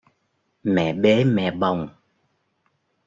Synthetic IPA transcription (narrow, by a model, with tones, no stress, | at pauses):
mɛ̰˧˨ɓe˨˦mɛ̰˧˨ɓə˨˩wŋ͡m